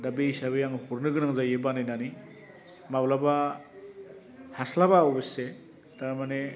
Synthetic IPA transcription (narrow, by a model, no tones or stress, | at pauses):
dabeisaβajaŋɯhuɾnɯɡɯnaŋzajebanɯjnani | mablaba | haslabaːwbese | taɾmane